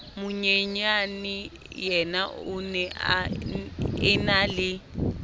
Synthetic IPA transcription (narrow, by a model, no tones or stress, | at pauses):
mʊɲeɲanɪ | jɛnaʊnɛʔa̰ | ɛnalɪ